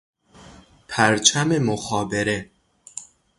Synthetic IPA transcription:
pʰæɾt͡ʃʰæme̞moxɒːbe̞ɾe

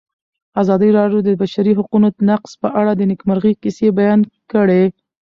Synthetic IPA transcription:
azɑd̪əɾɑɖjod̪əbaʃaɾiɦaqunod̪ənaqz̥pəʔaɽad̪ənɪkmaɾɣikɪsebajɑnkəɽe

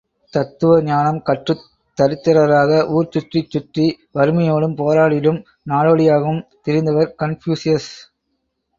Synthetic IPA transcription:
t̪ɐt̪ːɯʋɐɲaːnɐmkɐʈrɯ | t̪ːɐɾɪt̪ːɐɾɐɾaːɣɐʔuːɾt͡ʃʊʈrit͡ʃːʊʈri | ʋɐɾɯmɐjoːɽɯmpoːɾaːɽɪlɯm | naːɭoːɽɪjaːɣɯmt̪ɪɾɪnd̪ɐʋɐɾkɐnfjuːsɪjɐs

